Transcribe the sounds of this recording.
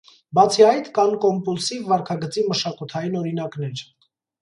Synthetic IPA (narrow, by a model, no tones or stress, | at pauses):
bɑt͡sʰiɑjt̪ʰkɑnkɔmpulsivːɑɾkʰɑɡət͡siməʃɑkut̪ʰɑjinɔɾinɑknɛɾ